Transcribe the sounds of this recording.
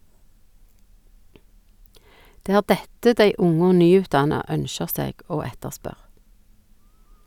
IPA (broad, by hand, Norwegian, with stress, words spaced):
ˈdeː ˈæːʁ ˈdɛtə ˈdæɪ ˈʊŋ ˈoː ˈnyːʉːtˌdɑnɑ ˈœnʃəʁ ˈseːɡ ˈoː ˈɛtəʁˌspœʁ